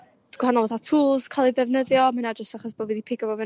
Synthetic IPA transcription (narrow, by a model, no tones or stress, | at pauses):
d̥ɡ̥whanɔlˠoθatʰuːlˠz̥kʰalˠiðɛvnəðjɔmanad͡ʒəstaχɔsb̥oːdviðipʰɪɡəbɔvɪ